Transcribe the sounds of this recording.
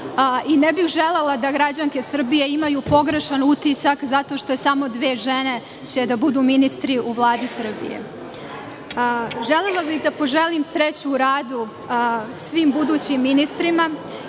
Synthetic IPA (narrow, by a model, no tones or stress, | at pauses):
inebixʒelelˠad̪aɡɾad͡ʑaŋke̞sr̩bije̞imajuːpo̞ɡɾe̞ʃanut̪isakzat̪o̞ʃt̪o̞jesaːmo̞d̪ʋe̞ːʒene̞ | t͡ɕe̞d̪abud̪uːminist̪ɾiʔuʋlˠaːd͡ʒisr̩bḭjḛ | ʒelelˠabixd̪apo̞ʒe̞limsɾet͡ɕuːɾaːd̪u | sʋiːmbud̪uːt͡ɕimːinist̪ɾima